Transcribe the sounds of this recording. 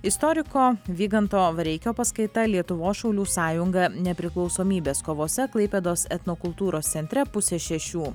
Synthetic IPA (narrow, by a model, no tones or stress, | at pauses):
ɪst̪ɔɾʲɪkoːʋʲiːɡɐnt̪oːʋɐɾʲɛɪkʲoːpɐskɐɪt̪ɐlʲiɛt̪ʊʋoːsʃɐʊlʲuːsɑːjʊŋɡɐnʲɛpʲɾʲɪklˠɒʊsoːmʲiːbʲeːskoːʋoːsʲɛklˠɐɪpʲeːd̪oːsɛt̪nokʊlˠt̪uːɾoːst̪sʲɛnʲt̪ʲɾʲɛpʊsʲeːʃʲɛʃʲuː